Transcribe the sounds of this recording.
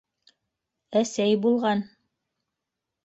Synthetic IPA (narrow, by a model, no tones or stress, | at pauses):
æsæjbulˠʁɑn